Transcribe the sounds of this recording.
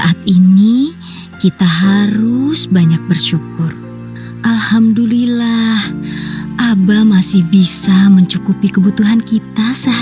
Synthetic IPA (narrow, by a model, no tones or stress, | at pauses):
aʔat̪̚ini | kit̪aɦaɾʊsbaɲak̚bərʃukʊr | ʔalhamdulilahʔabamasɪhbisaməɲt͡ʃukupikəbut̪uɦankit̪asa